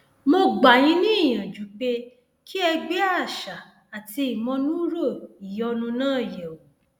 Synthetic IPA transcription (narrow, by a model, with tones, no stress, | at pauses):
mo˧ɡ͡ba˨j̃ĩ˨˦nĩ˦i˦˨j̃ã˨d͡ʒu˨˦k͡pe˧ | ki˦ɛ˧ɡ͡be˦a˦˨ʃa˨ | a˨ti˧i˨mɔ̃˧nũ˦ɾo˦˨i˨jɔ˧nũ˧nãː˦˨jɛ˨o˨